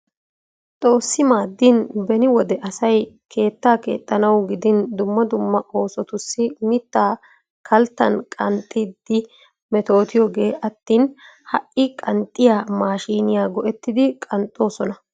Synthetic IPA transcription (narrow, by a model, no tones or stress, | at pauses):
t̪ʼo̞ːsːɪmaːd̪ːɪnbɛnɪwɔd̪ɛʔɐsɐjkʰe̞ːt̪ːaːke̞̰ːt̪ʼːɐnɐwɡɪd̪ɪnd̪ʊmːɐd̪ʊmːɐʔo̞ːsɔt̪ʊsːɪmɪt̪ːaː | kʰɐlt̪ːɐ̰nkʼɐnt̪ʼːɪd̪ːɪ | mɛt̪o̞ːt̪ɪjɔɡe̞ːʔɐt̪ːiːnhɐʔʔɪkʼɐnt̪ʼːɪjaːmaːʃiːnɪjaːɡɔʔɛt̪ːɪd̪ɪkʼɐnt̪ʼːo̞ːsɔnɐ